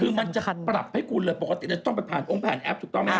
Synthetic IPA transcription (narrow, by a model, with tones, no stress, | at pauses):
kʰɯː˧ma˧nt͡ɕa˨ʔpɾa˨˩p̚ha˥˩kʰu˧nlɤː˧jpo˨˩ka˧i˨˩lːt͡ɕa˧˩t̪ɔ˥˩ŋpa˧˩jpʰaː˨˩nʔo˧˥˩ŋpʰɛː˨˩˦nʔɛ˦˥p̚t̪uː˨˩kt̪ɔ˥˩ma˥˩